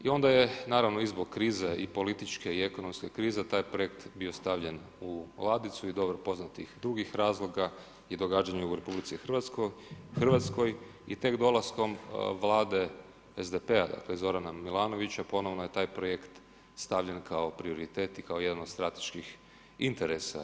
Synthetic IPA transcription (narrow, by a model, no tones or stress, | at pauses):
io̞nd̪aje̞naːɾaʋno̞izboɡ̚kɾiːzeʔipo̞lit̪it͡ʃke̞iekono̞mske̞kɾiːze̞t̪aːjpɾo̞je̞kt̪bio̞st̪aʋʎe̞n | ulˠaːd̪it̪suid̪o̞bɾopo̞znat̪ixd̪ɾuɡixɾaːzlˠo̞ɡa | jed̪o̞ɡaːd͡ʒaɲeuɾe̞publit̪sixr̩ʋat̪skoxr̩ʋat̪sko̞j | it̪e̞kd̪o̞lˠasko̞mʋlˠaːd̪e̞ | ezd̪epe̞a̰d̪a̰klezo̞ɾanamilˠaːno̞ʋit͡ɕapo̞no̞ʋno̞je̞t̪aːjpɾo̞jekt̪ | st̪aʋʎenkʰao̞pɾio̞ɾit̪e̞ːt̪ikao̞jed̪anod̪st̪ɾat̪e̥ʃkix | int̪eɾesa̰